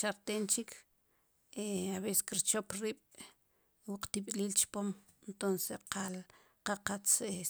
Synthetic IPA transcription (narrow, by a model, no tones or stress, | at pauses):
ʃaɾt̪eːnt͡ʃikʰ | eaβese̥skiɾt͡ʃopɾiːɓ̥ | wuqt̪iɓliːlt͡ʃpom | ent̪onseqal | qaqat͡se